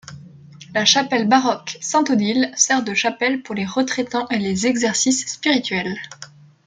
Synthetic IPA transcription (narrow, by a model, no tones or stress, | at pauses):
laʃapɛlbaʁɔksɛ̃t̪od̪ilsɛʁd̪əʃapɛlpuʁleʁət̪χɛt̪ɑ̃ʔelezɛɡzɛʁsisːpiʁit̪ɥɛl